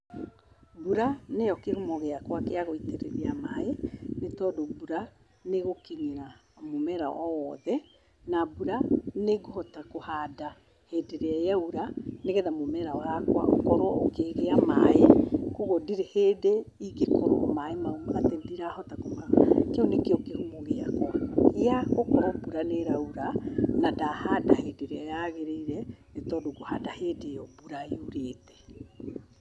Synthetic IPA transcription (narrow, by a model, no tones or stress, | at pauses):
buɾaneɔkehomɔɣeakwakeaɣoiteɾḛɾeamaenetɔdobuɾa | neɣokeɲiɾamomɛɾa̰ʔɔwɔðɛ | nabuɾaneɡohɔtakohada | hedeɾeajauɾaneɣɛðamomɛɾaɔakwa̰o̰kɔɾwokeɣeama̰ekoɣɔdiɾehedeiɡekɔɾɔ̰maemaumaɣatɛndiɾahɔtakomakeunekeɔkehumoɣea̰kwakeaokɔɾɔbuɾaneɾauɾanadahadahedeɾeajaɣeɾeiɾɛetɔdoɡohadaheːdeɔbuɾaiuɾeːtɛ̥